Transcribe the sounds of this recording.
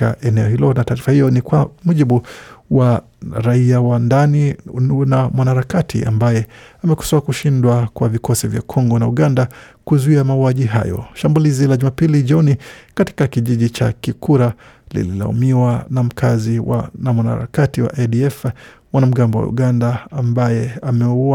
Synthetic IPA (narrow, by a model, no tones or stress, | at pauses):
ka̰ʔɛnɛɔhilɔnataːɾifahijɔnikwamuʄiɓuwa | ɾaiawandaninamwanaɾakatʰḭʔa̰mbajɛamɛku̥saakuʃindwakwavikɔsivja̰kʰɔŋɡɔnauɠandakuzuiamauaʄiɦa̰jɔ̰ʃambulizilaʄumapiliʄɔnikati̥kakiʄiʄit͡ʃakikʰuɾa | lḭlḭla̰ṵmiwanam̩kʰaziwa̰namwana̰ɾa̰katiwa̰ʔɛɗiɛfmwanam̩ɡambɔwa̰ṵɡandaːmbajɛamɛua